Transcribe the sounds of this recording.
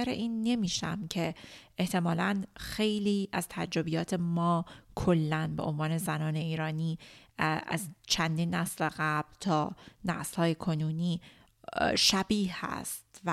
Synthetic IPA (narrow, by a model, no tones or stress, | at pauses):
æɾḛʔiːnːe̞miːʃæ̰mcʰe̞eht̪ʰe̞mɒːlænxe̞jliːʔæz̥t̪ʰæd͡ʒɾo̞bijɒːt̪ʰe̞mɒːkʰolːænbe̞ʔonvɒːne̞zænɒːne̞iːɾɒːniː | æ̰zt͡ʃʰænd̪iːnːæsleɣæb̥lt̪ʰɒːnæslhɒːjekʰo̞nuːniː | ʃæbiːhæ̰st̪v